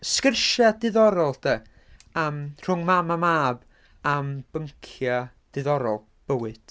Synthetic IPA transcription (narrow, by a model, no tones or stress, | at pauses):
skərʃadɨðɔɾɔlˠd̥ə | əmr̥ʊŋmamamaːb | amb̥əŋkʰja | d̥ɨðɔɾɔ̰lˠ | b̥əwɨd̥